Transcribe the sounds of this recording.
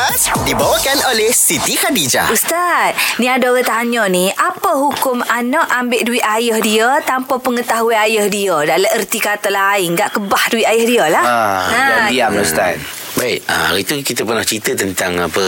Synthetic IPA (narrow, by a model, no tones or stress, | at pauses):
dibawakanolɛhsit̪ikadid͡ʒa̰ust̪at̪̚nĩadoɣət̪aɲəniʔapəɦukʊmanaʔʔambɪʔduɪʔ̪ajəhdiət̪ampəpəŋət̪aɦuiajəhdiədaləʔərt̪ikat̪əlaɪŋɡaʔkəbahduwiʔajəhdiəlahaaiapust̪a̰t̪̚ | baik̚a̰a̰ɾit̪ukit̪əpərnaht͡ʃit̪ət̪ənt̪aŋapə